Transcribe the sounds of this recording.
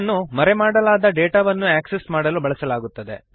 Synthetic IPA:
nːumɐɾemaːɽɐlaːd̪ɐɖeːʈaʋɐnːuaːksesmaːɽɐlubɐɭɐsɐlaːɡut̪ːɐd̪e̞̰

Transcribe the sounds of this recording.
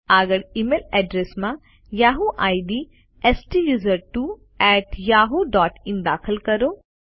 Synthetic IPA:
aːɡəɽimeːlɛːɖɾesmã | jaːɦuʔaːiɖ̪i | esʈijuːzəɾʈu | ɛːʈjaːɦoɖɔːʈĩnd̪aːkʰəlkɐɾoː

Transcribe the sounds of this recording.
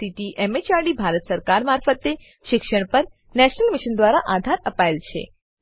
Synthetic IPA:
it̪iʔɛmet͡ʃaɖibʱaɾət̪səɾkaɾmaɾfət̪e | ʃɪkʃəɽ̃pəɾ | nɛʃnəlmɪʃənd̪ʋaɾaʔad̪ʱaɾəpaelt͡ʃʰḛ

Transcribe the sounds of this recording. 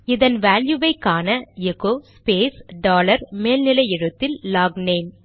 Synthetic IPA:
ɪðɐnʋaːljɯʋɐɪkːaːnɐɛɣoːspeːsɖaːlɐɾmeːlnɪlɐɪɛɻɯt̪ːɪlːaːɡneːm

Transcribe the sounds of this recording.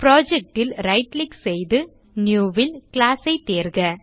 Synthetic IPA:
pɪɾoːd͡ʒɛk̚ʈɪlɾɐɪʈlɪksɛjðɯ | njuːʋɪlkɪlaːsɐɪt̪eːɾɣɐ

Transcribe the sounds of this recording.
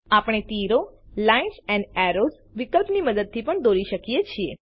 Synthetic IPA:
apɽ̃et̪iɾolainsɛ̃ɳɖɛɾoz | ʋikəlpniməd̪əd̪̚t̪ʰipəɳd̪oɾiʃəkijet͡ʃʰie

